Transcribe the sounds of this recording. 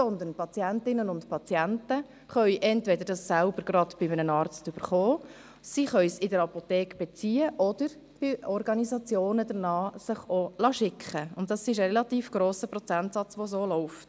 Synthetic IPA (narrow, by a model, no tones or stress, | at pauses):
sɔnd̪ənpʰɑt͡sjæntɪnənʊntpʰɑt͡sjæntə | χœʏʔɛntvɛdəɾdɑsːælbəɾɡ̥ɾɑdb̥ɪmənənɑːɾt͡stʏbəɾχoː | siːχœʏsɪdəɾɑpotɛːkb̥ɛt͡siːəʔɔd̥əɾ | b̥ɪɔɾɡɑnisɑt͡sjoːnədənɑːsəχolɑːʃɪkχəʊntd̥ɑsɪʃ̬əʁɛlɑtiːfɡ̥ɾoːsəpɾɔt͡sæntsɑt͡sʋos̬oːlɔʊft